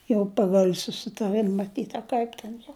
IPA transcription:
jɛʊ ˈpɑːɡɐlʲ sʊsʲɪtɐˈrɨm mɐˈtʲiːt ɐ ˈkɐɪp tʲɛn jɛʊ

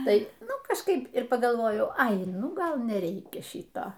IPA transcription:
ˈtɐɪ ˈnʊ kɐʃˈkɐɪp ɪr pɐɡɐlˠˈʋoːjɛʊ ˈɐɪ nʊˈɡɐlˠ nʲɛˈrʲɛɪkʲɛ ˈʃʲiːtoː

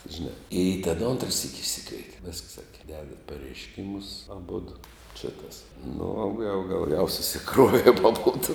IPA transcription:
ʒʲɪˈnɑː ɪ tʲɛn ˈoːntrɐ sʲiːkʲ ɪʃʲˈsʲɪkʋʲɛɪtʲeː ʋʲɪsks ˈsɑːkʲɛ ˈdʲæːdɐt pɐrʲɛɪʃʲˈkʲɪmʊs ɐˈbʊdʊ t͡ʃʲɛ kɐs nʊ oː ɡɐlˠ ɡɐlˠ jɛʊ sʊsʲɪˈkruɔʋʲeːm ɐˈboːdʊ

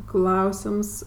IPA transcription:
ˈklˠɐʊsʲɪms

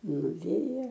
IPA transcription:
nʊˈʋʲeːjɛ

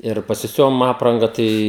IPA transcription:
ɪr pɐsʲɪˈsʲʊʋoːm ˈɑːprɐŋɡɐ ˈtɐɪ

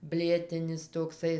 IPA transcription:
ˈbʲlʲeːtʲɪnʲɪs toːkˈsɐɪ

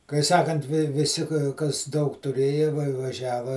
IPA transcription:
kɐɪ ˈsɑːkɐnt ʋʲɪˈsʲɪ kɐs ˈdɐʊk tʊˈrʲeːjɛ ʋɐ ʋɐˈʒʲæːʋɐ

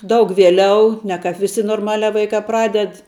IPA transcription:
ˈdɐʊk ʋʲiɛˈlʲɛʊ ˈnʲɛ ˌkɑːp ʋʲɪˈsʲɪ noːrˈmɑːlʲæː ˈʋɐɪkɑː ˈprɑːdʲɛt

